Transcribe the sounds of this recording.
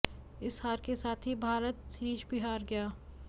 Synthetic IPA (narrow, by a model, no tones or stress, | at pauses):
ɪshaːɾkesaːt̪ʰɦibʱaːɾət̪sɾiːt͡ʃbɪɦaːɾɡɐjaː